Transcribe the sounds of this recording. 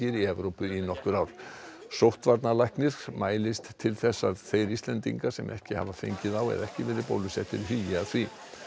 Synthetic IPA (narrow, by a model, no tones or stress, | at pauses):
ɪɾiɛvɾowpʏinɔhkʏɾawɾ̥ | sowht̪vaɾt̪nalajhknɪɾ̥maːjlɪst̪t̪ʰːɪlθɛsːaðθejɾist̪lɛnt̪ḭŋkḁsɛmʔɛhcɪha̰vafḛjɲcɪðawɛ̰ðɛhcɪvɛːɾɪpo̰wlʏsɛht̪ɪɾɦijaθvi